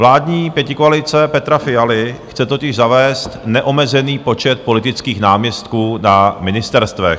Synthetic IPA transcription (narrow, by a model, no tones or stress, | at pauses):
vlaːdɲiːpjɛcɪkoalɪt͡sɛpɛt̪ɾafɪjalɪxt͡sɛt̪ocɪʒzavɛːst̪nɛʔo̞mɛzɛniːpo̞t͡ʃɛt̪̚po̞lɪt̪ɪt͡skiːxnaːmɲɛst̪kuːnamɪnɪst̪ɛɾst̪vɛx